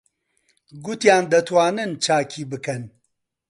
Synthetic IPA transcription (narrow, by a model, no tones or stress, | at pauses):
ɡut̪jaːnd̪ɐt̪ʰwaːnɨnt͡ʃʰaːkʰiːbɨkɐn